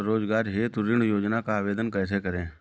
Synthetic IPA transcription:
ɾoːd͡ʒɡaːɾɦet̪ʊɾɪ̃ɳɖjoːd͡ʒnakaaːʋeːd̪ənkɛːs̬ekɐɾẽː

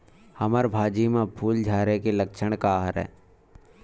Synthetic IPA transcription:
həməɾbʱaːd͡ʒimẽpʰuːld͡ʒʱaːɾekeləkʃʰəɽ̃kaɦəɾɛ̰ː

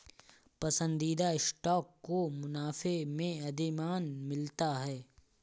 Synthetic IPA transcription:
pɐsə̃nd̪iːd̪aɪsʈɔːkːomʊnaːfemẽɐd̪ɪmaːnmɪlt̪aɦɛː

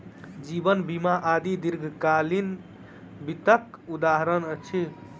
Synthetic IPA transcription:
d͡ʒibənbimaʔad̪id̪iɾɡʱkalin | bit̪əkud̪aɦɾənət͡ʃʰi

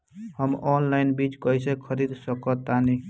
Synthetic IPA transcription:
həmɔnlajnbit͡ʃkəjsekʰəɾid̪səkət̪ani

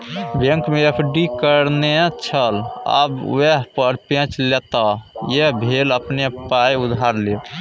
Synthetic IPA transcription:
bẽŋkmeepʰɖikəɾnet͡ʃʰələ̰bweɦpəɾpẽt͡ʃlet̪ajeɦbʱeləpnepajud̪ʱaɾle

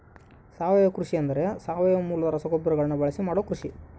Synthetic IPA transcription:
saːʋɐjɐkɾuʂijɐnd̪ɐɾe̞saːʋɐjɐmuːlɐd̪ɐɾɐsɐɡobɐɾɐɡɐɭɐnːubɐɭɐsimaːɽoːkɾuʂi

